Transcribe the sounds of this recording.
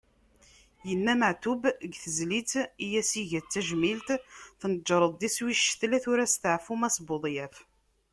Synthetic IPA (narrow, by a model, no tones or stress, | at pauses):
jənːæməʕt̪ubəɡθəzlit͡sijæsiʝæt͡sːæʒmilt̪θnəd͡ʒːɾˤəðˤiswiʃθlæθʊɾæst̪əʕfumæsboðˤjæf